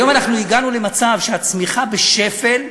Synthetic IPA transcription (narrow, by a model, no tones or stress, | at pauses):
jo̞manaχnuiɡanule̞mat͡savʃeat͡smiχabe̞ʃe̞fe̞l